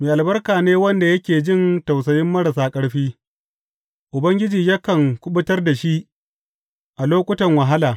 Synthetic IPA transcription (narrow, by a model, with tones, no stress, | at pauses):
meː˨ʔa˨lbɐ˦rkaː˨neː˦wɐ˦nda˨jɐ˦kʲeː˨d͡ʒɪ˦˨nta˨ws̬ɐ˨jɪ˦mːɐ˦ɽa˨saː˦kʼɐ˦ɽɸiː˦ | ʔʊ˨bɐ˦ŋɡʲɪ˦d͡ʒiː˨jaː˦kɐ˨ŋkʷʊ˦ɓʊ˦tɐ˦rda˨ʃi˦ʔ | ʔa˨loː˦kʷʼʊ˦tɐ˨ŋwɐ˨ɦa˦laː˨